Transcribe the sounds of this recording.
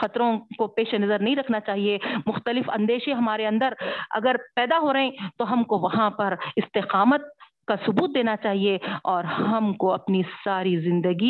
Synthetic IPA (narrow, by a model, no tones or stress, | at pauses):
xɐt̪ɾõkopeːʃenɐzəɾnɐɦĩɾɐkʰnat͡ʃaːɦiemʊxt̪əlɪfɐ̰̃nd̪eːʃẽɦɐmaːɾeɐ̃nd̪əɾɐ̰ɡəɾpɛːd̪aɦoːɾɐɦẽt̪oɦɐmkoʋɐɦãpɐɾɪst̪eqaːmət̪̚ | kasʊbuːt̪̚d̪eːnat͡ʃaːɦieɔːɾhɦɐmkoɐpnisaːɾizɪ̃nd̪əɡi